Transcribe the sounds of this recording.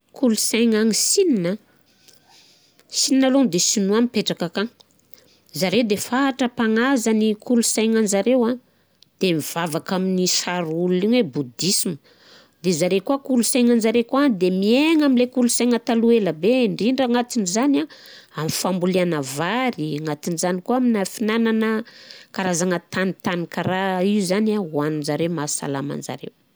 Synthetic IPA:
kʰulusajŋaŋisinina | sininalond̪esinuamipeʈ͡ʂakakaŋ | zaɾewd̪efaʈ͡ʂəpaŋazanikʰulusajɲand͡ʒaɾewa | d̪̥emiv̥avakaminisaɾululiɲwebud̪isimə̥ | d̪ezaɾekuakulusajŋand͡zaɾekuad̪emieŋamilekulusajŋət̪alueləbeɳɖ͡ʐiɳɖ͡ʐaŋat̪inizanaamifambulianəvaɾiŋat̪inizanikuaminafinananəkaɾazaŋət̪anit̪anikaɾaiuzanawanunzaɾewmasa̰la̰ma̰nd͡ʒa̰ɾḛw

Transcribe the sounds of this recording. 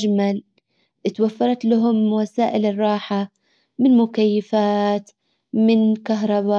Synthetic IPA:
d͡ʒmal | ʔɪt̪wafːɑɾˤɑt̪laɦʊmwasaːʔɪlɨrˤːɑːħa | mɪnmʊkajːɪfaːt̪ | mɪnkaɦɾˤɑba

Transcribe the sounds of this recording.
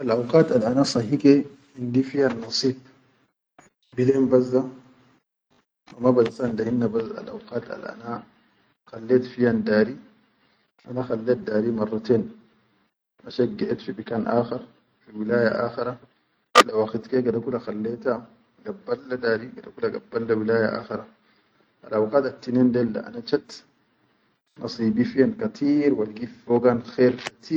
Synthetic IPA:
ʔalʔawqaːt̪alʔanasˤɑhike | hindifijanːɑsˤiːb̚ | bilembazːa | ʔamabazsandahinːabaza̰lʔa̰wqaːt̪a̰lʔa̰na | xalːet̪fijandaːɾi | ʔanaxalːet̪̚daːɾimɑrˤːɑt̪eːn | ʔaʃaɡːeʔet̪fibikanʔaːxiɾ | fiwilaːjaʔa̰ːxiɾa | lːawaxit̪keɡadakulaxalːeːt̪a | ɡabːalːad̪aːɾiɡadakulaɡa̰bːalːawilaːjaʔa̰ːxiɾa | ʔalʔawqaːt̪at̪ːineːndelːa̰ʔa̰nat͡ʃat̪ | nɑsˤiːbifijankat̪ʰiːɾwalɡifoːɡanxeːɾkḁt̪ʰiː

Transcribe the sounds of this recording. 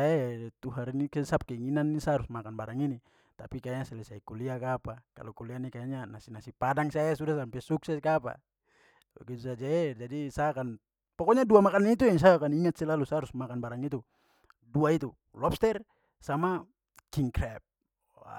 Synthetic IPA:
aet̪uɦaɾinikɛsap̚kɛiŋinanːisaaɾusmakanbaɾaŋini | t̪apikaɲasɛlɛsaikuliakapaka̰lukulianikaaɲanasinasipadaŋsaɛsudasampɛsuksɛskapa̰ | ba̰ɡit̪usad͡ʒaɛd͡ʒadisaakan | pɔkɔɲaduamakanit̪̬uɛŋs̬aakaniŋat̪̚sɛlalusaɾusmakanbaɾaŋit̪u | duait̪u | lɔp̚st̪ɛr | sama | kiŋkɾɛp̚ | a̰

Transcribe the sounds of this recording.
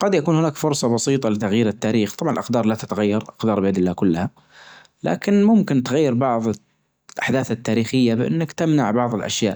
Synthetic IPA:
qɑd̪jakuːnhɪnaːkfʊɾsˤɑbɑsiːt̪ˤɑlɪt̪aɣjiːɾɪt̪ːaːɾiːxt̪ˤɑbʕɑnlʔɪqd̪ɑːɾˤlat̪at̪aɣajːɑɾˤʔɑqd̪ɑːɾˤbɪjad̪ɪlːaːkʊlːha | la̰ːkɪnmʊmkɪnt̪ɪɣajːɪɾbɑʕðˤ | lʔaħd̪aːθat̪ːaːɾiːxɪjːabʔɪ̰nːakt̪ɪmnaʕbɑʕðˤɪlʔa̰ʃjaːʔ

